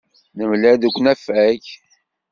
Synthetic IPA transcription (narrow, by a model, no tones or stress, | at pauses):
nəmlæðukʷːnæfæç